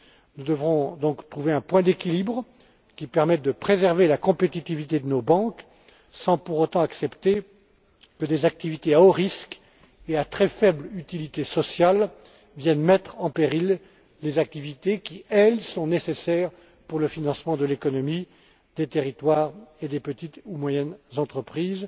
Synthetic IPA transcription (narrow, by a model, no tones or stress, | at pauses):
nud̪əvʁɔ̃d̪ɔ̃kt̪χuveɛ̃pwɛ̃d̪ekʲilibʁ | kʲipɛʁmɛt̪̚d̪əpχezɛʁvelakɔ̃pet̪it̪ivit̪ed̪ənobɑ̃k | sɑ̃puʁot̪ɑ̃aksɛpt̪e | kəd̪ezak̚t̪ivit̪eaoʁisk | eat̪χɛfɛblyt̪ilit̪esɔsjal | vjɛnmɛt̪χɑ̃peʁilː | ezak̚t̪ivit̪ekʲiɛlsɔ̃nesesɛʁ | puʁləfinɑ̃smɑ̃d̪əlekɔnɔmi | d̪et̪eʁit̪waʁed̪epət̪it̪umwajɛnzɑ̃t̪χəpχiːz